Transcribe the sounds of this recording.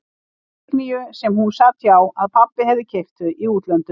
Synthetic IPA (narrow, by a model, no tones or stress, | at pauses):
nijʏsɛmhunsat̪jaːwaðpʰapːɪhɛvðɪcʰejxt̪ʏiuːt̪lœnt̪